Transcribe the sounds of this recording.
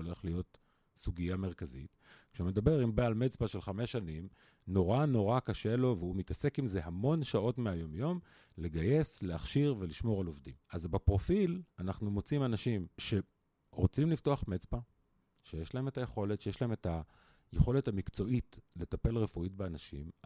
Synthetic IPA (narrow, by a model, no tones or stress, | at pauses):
ole̞χlijo̞t | suɡijame̞ʁkazḭt | kʃeume̞d̪abe̞ʁimbealmet͡spaʃe̞lχame̞ʃanim | no̞ʁano̞ʁakaʃe̞lo̞veumitase̞kimze̞ɦamo̞nʃao̞tmeajo̞mjo̞m | le̞ɡaje̞sleaχʃiʁve̞liʃmo̞ʁalo̞vdḭmazbepʁo̞filanaχnumo̞t͡simanaʃimʃe̞ | ʁot͡simlifto̞aχmet͡spa | ʃejeʃlae̞metajeχo̞letʃejeʃlae̞meta | jeχo̞le̞thamikt͡so̞ʔitle̞tape̞lʁefuit̚beanaʃḭm